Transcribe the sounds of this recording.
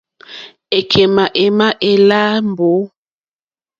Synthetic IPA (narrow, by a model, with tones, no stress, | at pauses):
e˨kʰe˨ma˨ʔe˨ma˦ʔe˨la˦mbo˨˦